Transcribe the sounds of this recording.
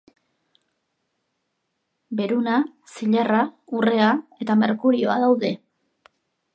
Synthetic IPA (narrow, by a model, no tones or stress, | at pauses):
be̞ɾuna | siʎeraure̞ae̞t̪ame̞ɾkuɾio̞aðawðe̞